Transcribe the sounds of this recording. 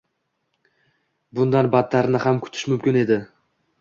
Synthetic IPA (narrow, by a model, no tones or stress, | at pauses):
bʊnd̪anbat̪ʰːaɾnɪhamkʰʊ̥t̪ʰɪ̥ʃmʊmkʲɪne̞d̪ɪ